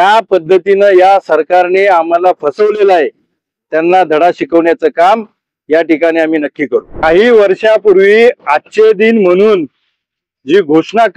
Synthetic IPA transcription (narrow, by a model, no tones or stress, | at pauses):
jjapəd̪ʱːət̪inəjasəɾkaɾneam̤alafəsəʋlelaɦe | t̪janːad̪ʱəɽaɕikəʋɳjat͡səːkam | jaʈikaɽ̃iam̤iːnəkːiːkəɾukaɦiːʋəɾɕapuɾʋiːatːɕed̪iːnm̤əɽ̃uːn | d͡ʑiːɡʱoʂɳak